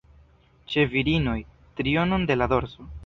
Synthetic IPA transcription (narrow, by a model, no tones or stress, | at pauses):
t͡ʃe̞viɾino̞j | t̪ɾio̞no̞nde̞lad̪o̞ɾzo̞